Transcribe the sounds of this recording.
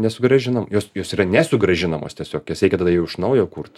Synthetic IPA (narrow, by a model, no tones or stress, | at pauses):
nʲɛsʊɡɾɐʒʲɪnɐmjoːsjoːsiːɾɐnʲɛsʊɡɾɐʒʲɪnɐmo̰ːst̪ʲiɛsʲoːkjoːsɾʲɛɪkʲɛt̪ɐːd̪ɐjɛʊʊʃnɐʊjoːkurt̪